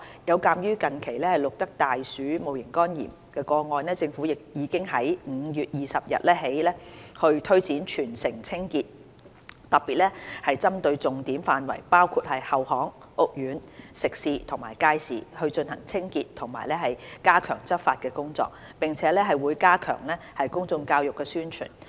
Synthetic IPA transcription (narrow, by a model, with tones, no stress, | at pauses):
jɐ˨˧wkaː˧mjyː˥kɐ˨nkʰe˨˩jlɛː˥hɐ˨jlʊ˨k̚t̪ɐ˥k̚t̪aː˨jsyː˨˥mo˨wjɪ˨˩ŋkɔː˥njḭː˨˩m | kɛː˧kɔː˧ŋɔː˧nlɛː˥t͡sɪ˧ŋfuː˨˥jɪ˨k̚jiː˨˥kɪ˥ŋɦɐ˨˥jm̩˨˧˥jyː˨t̚jiː˨sɐ˨p̚jɐ̰˨t̚lɛː˥ɦe˨˥jlɛː˥hɵ˧ɥt̪ʰɵ˥ɥt͡siː˨˥nt͡ʃʰyː˨˩nsɪ˨˩ŋt͡sʰɪ˥ŋkiː˧t̚ | t̪ɐ˨˩p̚pːiː˨t̚lɛː˥hɐ˨jt͡sɐ˥mt̪ɵ˧ɥt͡sʊ˨ŋt̪iː˨˥mfaː˨˧nwɐ̰˨˩jpaː˥wkʰuː˧t̚hɐ˨jhɐ˨whɔː˨˥ŋ | ʔʊ˧k̚jyː˨˥nsɪ˨k̚siː˨˧t̪ʰʊ˨˩ŋmaː˨˩jkaː˧˥jsiː˨hɵ˧ɥt͡ʃɵ˧nhɐ˨˩ŋt͡sʰɪ˥ŋkiː˧tt̪ʰʊ˨˩ŋma̰ː˨˩jlɛː˥ɦɐ˨jkaː˥kʰœː˨˩ŋt͡sɐ˥t̚faː˧t̚kɛː˧kʊ˥ŋt͡sɔ̰ː˧k̚ | pɪ˨ŋt͡sʰɛː˨˥lɛː˥ɦɐ˨jwuː˨˧jkaː˥kʰœ̰ː˨˩ŋlɛː˥hɐ˨jkʊ˥ŋt͡sʊ˧ŋkaː˧wjʊ˨kːɛː˧syː˥nt͡ʃʰy̰ː˨˩n